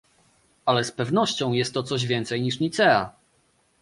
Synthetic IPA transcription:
alɛspɛvnɔɕt͡ɕɔ̃w̃jɛst̪ːɔt̪sɔʑvʲjɛnt̪sɛjɲiʂɲit̪sɛa̰

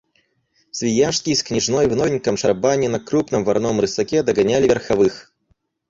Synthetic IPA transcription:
sʲvʲɪjaʂskʲijsknʲɪʐnojvnovʲɪnʲkəmʂɐrbanʲɪnɐkɾupnɨmvɐɾnomɾɨsɐkʲɛd̪ɐɡɐnʲalʲɪvʲɪrxɐvɨx

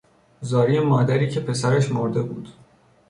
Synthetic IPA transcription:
zɒːɾijemɒːd̪æɾiːcʰe̞pʰe̞sæɾæʃmoɾd̪e̞buːd̪̥

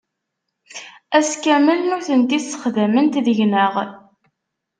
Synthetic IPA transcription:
æskæməlnʊɾθənt̪isə̥χðæmənt̪ðəʝnəʁ

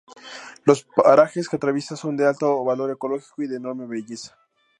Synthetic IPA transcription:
lo̞spaɾaxesket̪ɾaβjesaso̞nd̪ealt̪o̞βalo̞ɾe̞ko̞lo̞xi̥koiðeːno̞ɾme̞βeʝe̞sḁ

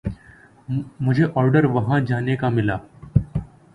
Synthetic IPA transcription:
mʊd͡ʒʱeʔɔːɾɖəɾʋɐɦãd͡ʒaːnekamɪlaː

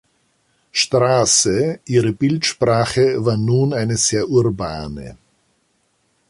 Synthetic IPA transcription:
ʃtʁ̥aːsəʔiːʁəbɪltʃpʁ̥aːχəvaːɐnuːnaɪnəz̥eːɐʔuʁba̰ːnə̰

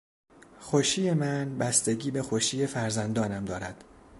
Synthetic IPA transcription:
xoʃiːje̞mænbæst̪e̞ɟiːbe̞xoʃiːje̞fæɾzænd̪ɒːnæmd̪ɒːɾæd̪̥

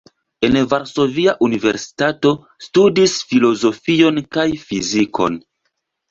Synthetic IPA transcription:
e̞nvaɾso̞viaʔunive̞̰ɾsi̥tato̞ | studisfilo̞zo̞fio̞nkajfizikʰo̞̰n

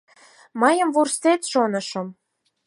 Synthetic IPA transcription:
mɑjə̆mvurset̪ʃonɤ̆ʃɤ̆m

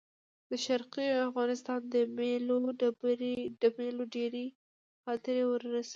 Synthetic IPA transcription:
d̪əʃaɾqiafɣɑnɪst̪ɑnd̪əmeloabɾɖəmeloɖeɾe | xɑt̪ɪɾewəɾːasa

